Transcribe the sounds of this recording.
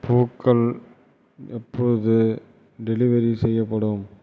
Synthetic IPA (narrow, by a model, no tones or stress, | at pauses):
pʰoːkːɐɭ | ɛpːɔɻɯðɯ | ɖɛlɪʋɐɾisɛjːɐpːɐɽɯm